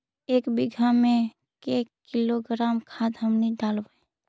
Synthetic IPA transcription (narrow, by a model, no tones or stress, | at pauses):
eːkbiɡʱamẽ | kekiloɡɾaːmkʰad̪ɦəmniɖalbəe